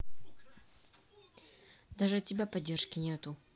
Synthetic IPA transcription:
d̪aʐɨtʲɪbʲapɐdʲːerʂkʲɪnʲet̪ʊ

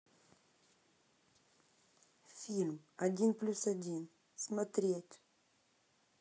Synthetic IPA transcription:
filmaɟinplysaɟin | smat̪ɾiɛt̪ʲ

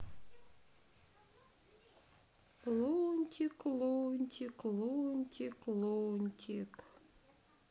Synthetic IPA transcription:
lonʲt̪ʲiklonʲt̪ʲiklonʲt̪ʲiklonʲt̪ʲʰik

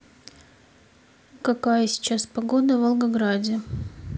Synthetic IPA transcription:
kɐkajəsʲɪ̥t͡ɕaspɐɡo̞d̪əvəlˠɡɐɡɾadʲɪ

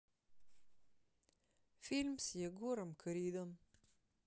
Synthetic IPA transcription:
filʲmsjɛɡuɾəmkʰəɾiːd̪əm

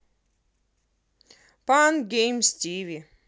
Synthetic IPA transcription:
panɡʲejmstʲivʲi

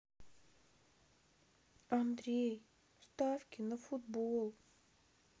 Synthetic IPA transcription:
ɐnd̪ɾʲej | st̪afkʲɪnəfʊd̪bolˠ

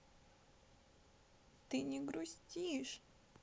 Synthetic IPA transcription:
t̪ɨnʲɪɡɾʊsʲtʲiʂ

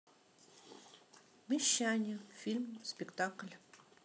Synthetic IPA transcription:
mʲiɕanʲɪfʲilʲmspʲɪkt̪aklʲ

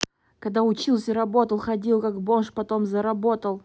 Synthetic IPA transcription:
kɐɡ̚d̪aʊt͡ɕilˠsʲəɾɐbo̞t̪əlˠxɐdʲilˠkakbonʂpɐt̪omzəɾɐbot̪əlˠ

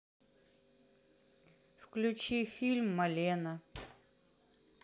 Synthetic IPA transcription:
fklʲʉt͡ʃifʲilʲmːɐlʲenɐ

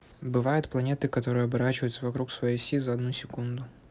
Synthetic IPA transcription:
bɨvajʊt̪̚plˠɐnʲet̪ɨkɐt̪o̞ɾɨjəɐbɐɾat͡ɕɪvəjʊt̪səvɐkɾuksvɐjejsʲizɐɐd̪nusʲɪkund̪ʊ

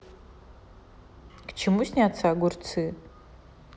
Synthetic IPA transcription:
kt͡ʃʰɪmusnʲiat͡sʰaɡʷʊrt͡sʰɨ

